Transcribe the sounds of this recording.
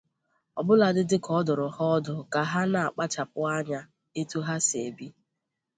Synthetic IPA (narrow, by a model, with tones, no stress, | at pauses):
ɔ˨bʊ˦la˨dɪ˦dɪ˦kɔ˦dʊ˨ɾʊ˨hɔ˦dʊ˨ka˨ɦa˦na˨a˨k͡pa˦t͡ʃa˨p̚ʊ˦a˦ɲa˦ | e˦tu˦ɦa˦se˨bi˦